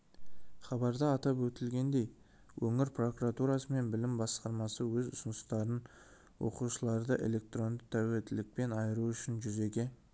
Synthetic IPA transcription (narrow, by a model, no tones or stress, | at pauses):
χɑbɑɾd̪ɑɑt̪ɑpwɵt̪ɪlɡʲe̞nd̪e̞j | wʔɵŋɪɾpro̞kuɾat̪uɾɑsəme̞nbɪlɪmbɑsqɑɾmɑsəwɵzʊsnəst̪ɑɾən | wo̞̰quʃəlˠɑɾd̪əʔe̞̰le̞k̚t̪ro̞nd̪ət̪ʰæwe̞lt̪ɪlɪk̚pe̞nɑjəɾuʏʃɪnʒʏze̞kʲe̞